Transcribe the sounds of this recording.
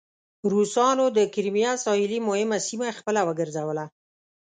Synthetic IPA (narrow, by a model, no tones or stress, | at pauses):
ɾusɑnod̪əkɪɾmijasɑhɪlimʊhɪmasimaxpəlawəɡəɾzawəla